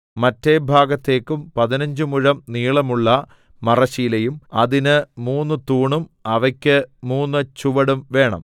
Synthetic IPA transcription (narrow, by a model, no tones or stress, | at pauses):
mɐtːe̞bʱaːɡɐt̪ːe̞ːkːumpɐðinɐɲd͡ʑɨmuɻɐmniːɭɐmuɭːɐ | mɐrɐɕijilɐjumɐðinɨmuːnːɨt̪uːɳumɐʋɐkʲːɨmuːnːɨt͡ɕuʋɐɽumʋe̞ːɳɐ̰m